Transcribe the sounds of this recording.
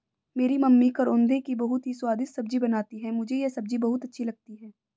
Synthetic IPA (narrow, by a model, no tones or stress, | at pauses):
meːɾimɐmːikɐɾʊ̃ːnd̪ʱekibɐɦʊt̪ɦiswaːd̪ɪsːɐb̚d͡ʒibɐnaːt̪iɦɛmʊd͡ʒʱejesɐb̚d͡ʒibɐɦʊt̪ɐtːʃʰilɐɡ̚t̪iɦɛː